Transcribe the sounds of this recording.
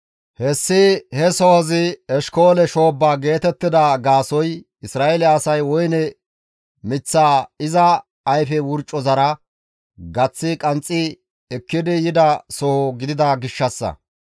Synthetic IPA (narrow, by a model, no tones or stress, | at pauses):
hɛsːɪhɛsɔhɐzɪɛʃko̞ːlɛʃoːbːaːɡe̞ːt̪ɛt̪ːɪd̪ɐɡaːsɔj | ɪsɾaːʔɛlɛːsɐjwɔjnɛ | mɪt͡sːaːɪzɐː | jfɛwʊɾt͡ʃʼːɔzɐɾɐ | ɡɐt͡sːɪkʼɐnt͡sʼːɪ | ɛkːɪd̪ɪjɪd̪ɐsɔhɔɡɪd̪ɪd̪ɐɡɪʃːɐsːɐ̰